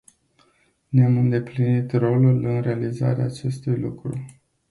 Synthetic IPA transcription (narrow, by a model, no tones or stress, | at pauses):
neamɨnd̪e̞plinit̪ro̞lulɨnɾealiza̰ɾea̰ːt͡ʃe̞st̪ujlṵkɾṵ